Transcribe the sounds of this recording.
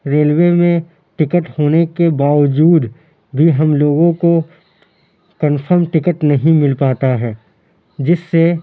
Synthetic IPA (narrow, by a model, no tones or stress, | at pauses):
ɾeːlwemẽ | ʈɪkəʈhoːnekebaːʋd͡ʒuːd̪ | bʱiɦɐmloːɡõko | kənfʰəɾmʈɪkəʈnɐɦĩmɪlpaːt̪aɦɛː | d͡ʒɪsːe